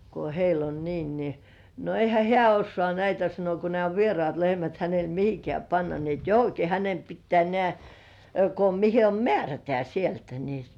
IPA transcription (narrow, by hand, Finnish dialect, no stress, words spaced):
ko heil on niːn ni no eihæ hĕæˑ osːŏɑˑ næitæ sɑno ko nĕæˑ o ʋierŏɑˑt lehmæt hænel mihikĕæˑ pɑnːɑ ni et johoki hænem pitːĕæˑ nĕæˑ ko mihe om mĕærætĕæ sieltæ ni